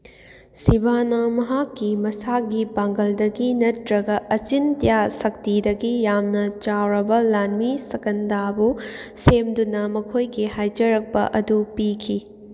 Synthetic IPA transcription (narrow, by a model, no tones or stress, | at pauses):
sibanɐmɐɦakːimɐsaɡibaŋɡɐldɐɡinɐtɾɐɡɐʔɐt͡ʃintɐjasɐk̚tidɐɡijamnɐt͡ʃawɾɐbɐlanmisɐkɐndabusemdunɐmɐkʰojɡihajd͡ʒɐɾɐk̚pɐ̰ʔɐdupikʰi